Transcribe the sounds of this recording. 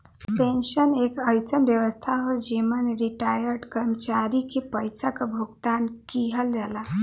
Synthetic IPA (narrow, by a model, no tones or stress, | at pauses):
penʃənekəɪsənbjəʋəst̪ʰaɦod͡ʒimənɾiʈajəɾɖkəɾmət͡ʃaɾikepəjsakebʱuɡt̪ankiɦəld͡ʒɛla